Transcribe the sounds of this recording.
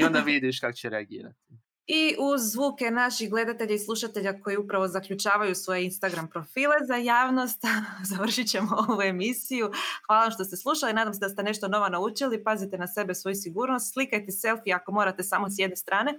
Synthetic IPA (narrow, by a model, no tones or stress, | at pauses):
iond̪aʋid̪iʃkakot͡ɕeɾeaɡḭːɾa̰t̪i̥ | iʔuzʋuːke̞naʃixɡle̞d̪at̪e̞ʎaislˠuʃat̪e̞ʎako̞jiupɾaʋo̞zakʎut͡ʃaːʋajusʋo̞je̞inst̪aɡɾampɾo̞fiːle̞zajaːʋno̞st̪zaʋr̩ʃit͡ɕe̞mooʋue̞misijuxʋaːlˠaʋamʃt̪o̞st̪eslˠuʃalinaːd̪amse̞d̪ast̪ene̞ʃt̪o̞no̞ʋonaut͡ʃilipazit̪enase̞be̞sʋo̞jusiɡuːɾno̞st̪slˠikajt̪ese̞lfiako̞mo̞ːɾat̪e̞saːmo̞s̬je̞d̪ne̞st̪ɾaːne̞